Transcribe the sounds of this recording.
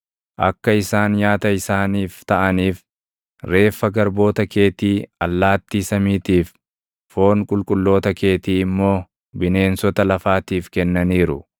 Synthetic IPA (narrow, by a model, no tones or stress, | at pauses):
ʔɐ̰kːɐɪsaːnjaːt̪ɐɪsaːniːft̪ɐʔɐniːf | ɾe̞ːfːɐɡɐɾbo̞ːt̪ɐke̞ːt̪iːɐlːaːt̪ːiːsɐmiːt̪iːf | fo̞ːŋkʼʊlkʼʊlːo̞ːt̪ɐke̞ːt̪iːɪmːo̞ː | bɪne̞ːnsɔt̪ɐlɐfaːt̪iːfkɛnːɐniːɾʊ̰